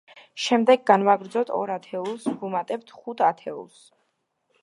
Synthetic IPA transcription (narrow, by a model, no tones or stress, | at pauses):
ʃɛmd̪ɛɡɡanvaɡɾd̪zɔt̪ʰɔ̰ɾat̪ʰɛulˠsɡumat̪ʼɛp̚t̪ʰχut̪ʰat̪ʰɛṵlˠs